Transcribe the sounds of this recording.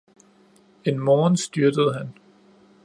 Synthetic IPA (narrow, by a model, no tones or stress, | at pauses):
e̝nmɒːnsd̥yɐd̥əð̞̩ˠɦæn